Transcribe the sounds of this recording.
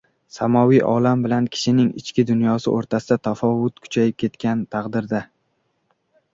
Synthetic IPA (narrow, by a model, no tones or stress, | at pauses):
samɒvijʔɒ̰lambɪlankʲʰɪ̥ʃɪnɪŋɪ̰t͡ʃkʲɪd̪ʊnjɒsɪ̰ʔoɾt̪ʰasɪd̪at̪ʰafɒvʊt̪kʰʊ̥t͡ʃʰajɪp̚kʲʰe̞t̪kʲant̪ʰaqd̪ɪɾd̪a